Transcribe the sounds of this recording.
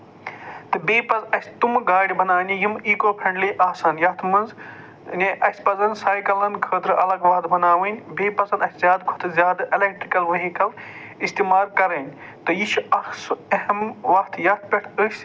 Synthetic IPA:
t̪ɨbeːpɐzɐsʲt̪umɡaːɽibɐnaːnʲijimiːkoːpʰɐ̃ɳɖleʔaːsaːnjɐt̪ʰmɨnz | nʲeʔɐsʲpɐzɐnsaːjkɐlɐnkʰəːd̪ɾɨʔɐlɐɡʋɐt̪bɐnaːʋɨnʲbeːpɐzɐnɐsʲzjaːd̪kʰo̥t̪ʰzʲjaːd̪elek̚ʈɾikɐlʋɐɦikɐl | ist̪iːmaːɾkɐɾɐnʲt̪ɨjiʃuɐksehɐmʋɐt̪ʰjɐt̪̚ʰpʲeʈʰəsʲ

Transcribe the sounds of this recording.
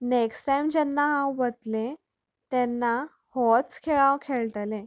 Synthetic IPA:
neksʈajmd͡ʑɛnːaɦãʋət̪lẽ | t̪ɛnːa | hɔt͡skʰeɭãwkʰeɭʈlẽ

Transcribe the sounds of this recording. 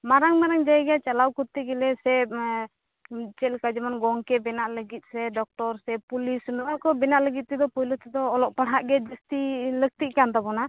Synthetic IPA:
maɾaŋmaɾaŋd͡ʒaɛɡat͡ʃalawkut̪ːiɡɛlɛsɛb̚ | t͡ʃɛlkad͡ʒɛmanɡɔŋkɛbɛnaʔləɡit̪̚ˀsɛɖɔk̚ʈɔɾsɛpulisnɔwaʔkɔbɛnaʔləɡit̪̚t̪id̪ɔpɔjlɔt̪ɛd̪ɔːlɔʔpaɽɦaʔɡɛd͡ʒist̪ilək̚t̪iʔkant̪abɔna

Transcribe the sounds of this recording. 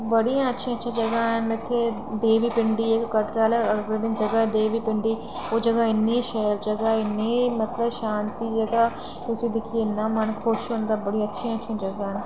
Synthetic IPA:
bəɽijãːətːʃʰiãːətːʃʰãːd͡ʒəɡaːɦənɪt̪ʰːeː | d̪eːʋiːpɪɳɖiːekkəɾʈɾaːlɛəɡɾeɖɪnd͡ʒəɡaːd̪eːʋiːpɪɳɖiː | oːd͡ʒəɡaːɪnːĩːʃɛːld͡ʒəɡaːɪnːeːmət̪ləbʃaːnt̪iːd͡ʒəɡaː | ʊsĩːd̪ɪkʰiɪnːãːmənkʰʊʃɦʊnd̪aːbəɽiətːʃʰiãːətːʃʰãːd͡ʒəɡãːɦən

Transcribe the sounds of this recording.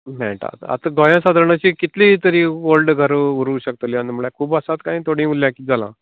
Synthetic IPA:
mɛ̰ʈa̰t̪a̰t̪aɡojãsad̪ʱəɾɳat͡ɕiːkit̪liːt̪əɾiːʋolɖɡʱəɾuɾuːɕək̚t̪oliãnm̤uɭakʰuːbəsat̪kaĩt̪ʰoɽ̤ĩːmulːjãkiːd͡zalã̰

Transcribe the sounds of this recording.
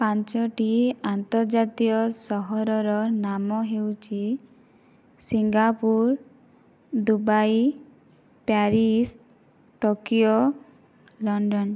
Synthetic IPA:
pant͡ʃɔʈiant̪ɔɾd͡ʒat̪iɔsɔɦɔɾɔɾɔnamɔɦewt͡ʃʰi | siŋɡapuɾ | d̪ubaj | paɾis | t̪okijo | lɔɳɖɔn

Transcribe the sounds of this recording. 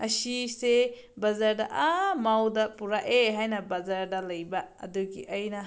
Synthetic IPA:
ɐsise | bɐzaɾdɐʔamawdɐpuɾaʔeɦajnɐbɐzaɾdɐlɐjbɐ̰ːduɡiʔɐjnɐ

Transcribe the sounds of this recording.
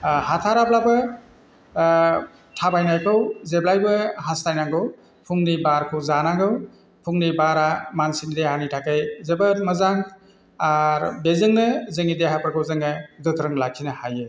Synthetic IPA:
hatʰaɾaplabɯ | tʰabajnajkʰɯwzeblajbɯɦastajnaŋɡɯw | pʰuŋnibaɾkʰɯwzanaŋɡɯw | pʰuŋnibaɾamansinidehanitʰakɯjzebɐɾmɐzaŋ | aɾbezɯŋnɯzɯŋideɦapʰəɾkʰɯwzɯŋːɯɡɯtʰɾɯŋlakʰːinɐhajɯ

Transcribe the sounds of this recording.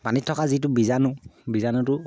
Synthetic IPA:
manitʰːɔkazit̬ʊbizanʊbizanʊtʊ

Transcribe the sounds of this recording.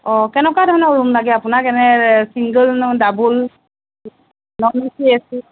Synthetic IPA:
ɔkɛnɛkwadʱɔnauɹumlaɡɛapʊnakɛnɛsiŋɡəlndabul | nɔnɔsiasi

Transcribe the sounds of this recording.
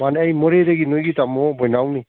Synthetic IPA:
maneajmɔɾedɐɡinojɡitamɔbɔjnawni

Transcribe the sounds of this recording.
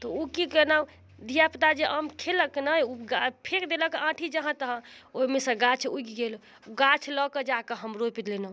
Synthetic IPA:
t̪ɔukikenau | d̪ʱijapt̪ad͡ʒeʔəmkʰeləknəjuɡapʰekd̪eləkãʈʰid͡ʒəɦãt̪əɦə̃oɦimesə̃ɡat͡ʃʰuɡiɡel | ɡat͡ʃʰlɔkəd͡ʒakəɦəmɾojpid̪lenə

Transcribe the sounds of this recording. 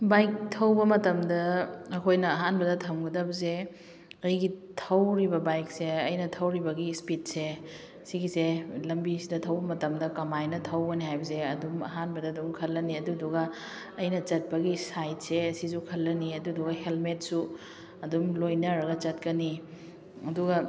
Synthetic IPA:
bajk̚tʰɐwbɐmɐtɐmdɐːkʰojnɐːɦanbɐdɐtʰɐmɡɐdɐbɐze | ɐjɡitʰɐwɾibɐbajk̚seɐjnɐtʰɐwɾibɐɡispit̚se | ɐsiɡiselɐmbisidɐtʰɐwbɐmɐtɐmdɐkɐmajnɐtʰɐwɡɐniɦajbɐseɐdumɐ̰ɦanbɐdɐdumkʰɐlːɐniɐduduɡɐː | jnɐt͡ʃɐt̚pɐɡisajt̚seɐsisukʰɐlːɐniɐduduɡɐhelmet̚su | ɐdumlojnɐɾɐɡɐt͡ʃɐt̚kɐni | ɐduɡɐ

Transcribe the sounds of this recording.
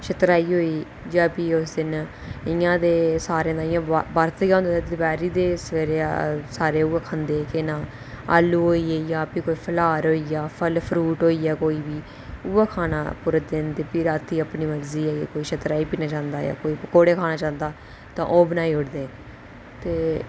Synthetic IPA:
ʃət̪ɾaːiːɦoːiː | d͡ʒaːpiːʊsd̪ɪn | ɪjãːd̪eːsaːɾẽd̪ãːɪjãːbaɾt̪ːd͡ʒãːnd̪ːed̪əbɛːɾiːd̪eːseːɾesaːɾeːuːeːkʰə̃ːnd̪eːkenãː | a̰ːlːuːɦoːiːeːjaːpiːkoːiːpʰəlaːɾɦoːiːjaːpʰəlpʰɾuːʈɦoːiːɛːkoːiːbiː | uːaːkʰaːna̰ːpʊɾəd̪ɪnt̪eːpɪɾaːt̪ʰiːəpniːməɾziːɛːekoːiːʃət̪ɾaːiːpiːnaːt͡ʃãːnd̪aːja̰ːkoːiːpkoːɽeːkʰaːnaːt͡ʃãːnd̪aː | t̪ãːʔoːbənaːiːʊʈd̪eː | t̪eː

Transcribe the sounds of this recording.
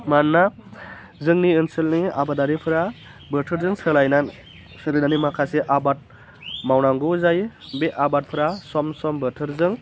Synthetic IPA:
manːa | zɯŋniɯnsɯlnia̰badaɾipʰɯɾa | bɯtʰɯɾzɯŋsɯlajnan | sɯlɯnanimakʰaseʔabat̚ | mawnaŋɡɯzajbeʔabat̚pʰɯɾasɔmsɔmbɯtʰɯɾzɯŋ

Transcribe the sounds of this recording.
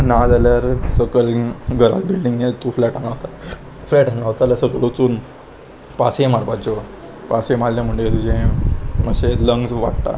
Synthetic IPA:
nad̪aljaɾsəkəlɡʱəɾa̰t̪bilɖiŋɡet̪uflɛʈanaʋt̪a | flɛʈanaʋt̪alasəkəlut͡suːn | pasemaɾbat͡ɕɔ | pasemallam̤əɳɖeet̪ud͡ʑẽməɕeləŋɡsʋa̰ʈt̪a̰

